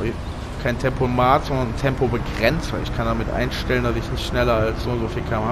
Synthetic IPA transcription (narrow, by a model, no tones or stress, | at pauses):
kʰaɪntʰɛmpomaːtz̥ɔndɐnntʰɛmpobəɡʁɛnt͡sɐɪçkʰandamɪtʔa̰ɪnʃtɛləndasɪçnɪçtʃnɛlɐalsz̥oːnzofiːlkʰaːmɐ